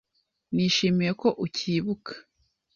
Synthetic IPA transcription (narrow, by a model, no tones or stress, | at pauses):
niːʃimijeko̞ʔuciːβukʰḁ